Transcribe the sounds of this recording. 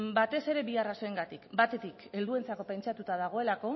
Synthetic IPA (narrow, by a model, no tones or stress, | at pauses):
bat̪e̞se̞ɾe̞βiarasoeŋɡat̪ikbat̪e̞t̪ike̞ld̪ue̞nt͡sako̞pe̞nt͡ʃat̪ut̪aðaɣ̞o̞e̞lako̞